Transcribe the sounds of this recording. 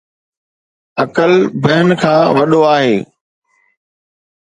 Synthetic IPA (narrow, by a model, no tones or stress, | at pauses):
ɐkəlbɐɦɪnkʰãːʋɐɗoaːɦeː